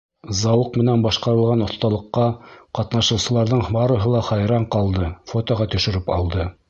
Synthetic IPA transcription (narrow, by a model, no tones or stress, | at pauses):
zɑwɤqmɘ̆nænbɑʃqɑɾɤ̆lˠʁɑnŏθt̪ɑlˠɤ̆qːɑqɑt̪nɑʃɤ̆wsɤ̆lˠɑɾðɤɴbɑɾɤ̆ɦɤlˠɑχɑjɾɑɴqɑlˠd̪ɤfot̪oʁɑt̪ɵ̆ʃɘ̆ɾɘpɑlˠd̪ɤ